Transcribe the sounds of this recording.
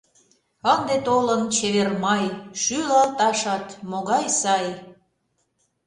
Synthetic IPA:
ənd̪et̪olənt͡ɕeβermɑjʃylɑlt̪ɑʃɑt̪moɣɑjsɑj

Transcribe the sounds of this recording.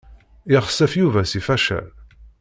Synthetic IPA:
ɪʁəsːæfjuvæsifæʃæ̰l

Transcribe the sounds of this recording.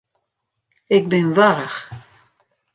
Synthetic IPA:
ɪk̚bɪnvaɾəχ

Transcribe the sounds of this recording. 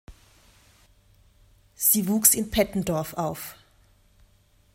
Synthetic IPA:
z̥iːvuːksɪnpʰɛtn̩dɔɐfʔaʊf

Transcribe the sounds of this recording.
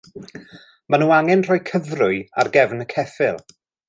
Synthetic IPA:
manuːaŋɛnr̥ɔjkʰəvrʊɨa̰rɡɛvnəkʰɛfɪlˠ

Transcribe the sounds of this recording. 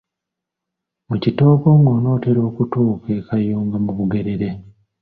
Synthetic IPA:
mucito̞ːko̞ŋɡo̞ːno̞ːteɾo̞ːkutoːkeːkajoːŋɡamuβuɡe̞ɾe̞ɾe̞

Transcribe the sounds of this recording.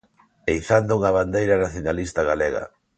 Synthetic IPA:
ejθand̪ʊuŋɐβand̪ejɾɐnaθjonalist̪aɣ̞aleɣɐ̰

